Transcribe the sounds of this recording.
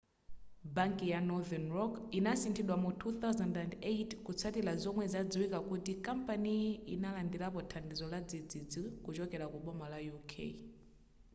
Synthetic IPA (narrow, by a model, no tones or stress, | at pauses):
baŋkijanɔðɛnɾɔkinasintʰiɗwamutʰuθawzandandejtkut͡sʰatilazɔmwɛzad͡ziwikakutikampaniinalandiɾapɔtʰandizɔlad͡zid͡zid͡zikut͡ʃɔkɛɾakuɓɔmalajukʰḛi